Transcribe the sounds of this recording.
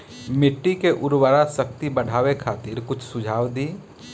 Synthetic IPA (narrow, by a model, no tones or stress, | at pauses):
mɪʈːikeʔʊɾwəɾasəkt̪ibəɽ̤ʱaːwekʰaːt̪ɪɾkʊt͡ʃʰsʊd͡ʒʱaːwd̪iː